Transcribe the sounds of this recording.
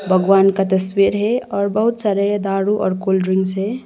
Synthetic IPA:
bʱəɡwankat̪əswiɾɦeɔːɾbəɦut̪saɾed̪aɽuʔɔ̰ːɾkolɖɾiŋɡsɦe

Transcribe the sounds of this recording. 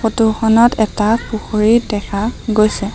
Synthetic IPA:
xotuxɔnɔtɛtapuxoɹidɛkʰaɡojsɛ

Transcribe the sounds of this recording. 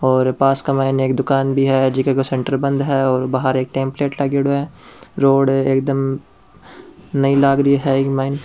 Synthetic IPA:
ɔːɾpaːskamaːɪneːk̚d̪ʊkaːnbʱiɦɛd͡ʒɪkekosɛ̃ɳʈəɾbɐ̃nd̪ɦɛɔːɾbaɦəɾeːk̚ʈẽːmpleːʈlaɡeɽoɛɾoːɖeːk̚d̪əm | nɐĩlaːɡɾiɦɛkmaːɪn

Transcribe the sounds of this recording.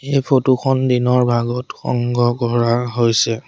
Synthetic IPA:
ejpʰotukɔndinɔɹbʱaɡɔtxɔ̰ŋɡɔkɔɹaɦojsɛ

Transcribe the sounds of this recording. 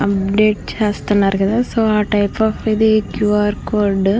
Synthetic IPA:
ɐp̚ɖeːʈt͡ʃaːst̪ɐnaːɾɡɐd̪asoːaːʈɐjpaːfid̪ikjuːaːɾkoːɾɖ

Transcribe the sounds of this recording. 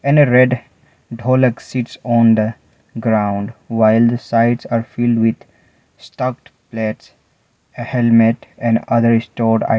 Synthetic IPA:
ɛ̃neɾeɖ | ɖʱɔːləksɪʈsɔ̃ːnd̪ə | ɡɾãʊ̃ɳɖʋaɪld̪əsaɪɖsaːɾfɪlɖʋɪd̪ | sʈʌkʈplɛʈs | hɛlmeʈɛ̃ɳɖʌd̪əɾɪsʈoːɾɖa̰

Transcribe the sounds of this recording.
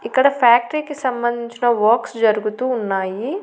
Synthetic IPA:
ɪkːəɽapʰɛːk̚ʈɾikesɐmbə̃nd̪ʱɪt͡ʃnãʋɔːksd͡ʒɐɾɡut̪uʊnːaːji

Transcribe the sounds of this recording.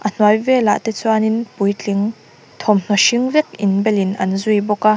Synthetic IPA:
ʔɐn̥wajvɛla̰ʔt̪ɛt͡suaninpujt͡ɬiŋ | t̪ʰɔmn̥ɔʃiŋvɛk̚ɪnbɛlinʔɐnzujbɔka

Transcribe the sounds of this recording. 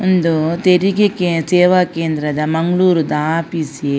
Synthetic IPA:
und̪ot̪eɾiɡekesɛːʋɐkeːnd̪ɾɐd̪ɐmɐŋɡɭuːɾud̪aːpiːsie

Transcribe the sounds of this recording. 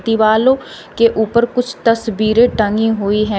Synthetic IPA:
t̪iʋaːlõkeʔʊpəɾkʊt͡ʃʰt̪əsbiːɾẽʈə̃ŋɡiɦoiɦɛ̃

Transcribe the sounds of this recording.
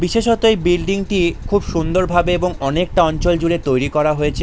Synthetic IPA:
biʃeʃɔt̪oejbilɖiŋʈikʰubʃund̪oɾbʱabeeboŋɔnek̚ʈaɔnt͡ɕold͡ʑuɾet̪ojɾikɔɾaɦojet͡ɕʰe

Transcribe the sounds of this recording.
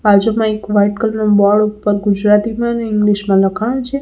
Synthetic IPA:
bad͡ʒomãekʋajʈkəlnobɔɭupːəɾɡud͡ʒɾat̪imãneɪŋɡliʃmãləkʰaɳt͡ʃʰe

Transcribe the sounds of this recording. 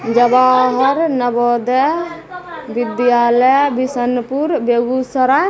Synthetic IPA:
d͡ʒɐbaːɦɐɾnɐbɔd̪ɛ | bid̪jaːləbisənpuɾbeɡusəɾa

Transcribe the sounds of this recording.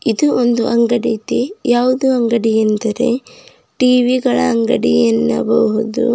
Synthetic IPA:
id̪uʔond̪uʔɐŋɡɐɽit̪ejaːʋud̪uɐŋɡɐɽijɐnd̪ɐɾe̞̰ | ʈiːʋiɡɐɭɐ̰ɐŋɡɐɽijɐnːɐ̰bɐuɦud̪ṵ

